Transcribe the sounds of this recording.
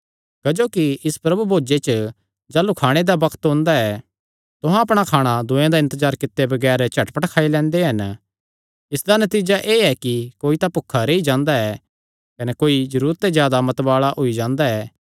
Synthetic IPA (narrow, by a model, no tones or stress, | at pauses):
kɐd͡ʒoːkiɪspɾɐbubʱoːd͡ʒet͡ʃə | d͡ʒaːlukʰaːɽ̃ed̪abɐkʰt̪ɦõːnd̪aɛ | t̪ʊɦãɐpɽ̃akʰaːɽ̃ad̪ʊ̃ːjãd̪aɪ̃nt̪əzaːɾkɪt̪ːebɐɡɛːɾt͡ʃʰɐʈpəʈkʰaːilɛ̃ːnd̪eɦɐn | ɪsd̪anɐt̪iːd͡ʒaʔeːɛkikoːit̪apʊkʰːaɾeːid͡ʒãːnd̪aɛ | kɐnɛkoːid͡ʒɐɾuːɾət̪ːezjaːd̪amɐt̪baːɭaʔɦoid͡ʒãːnd̪aɛː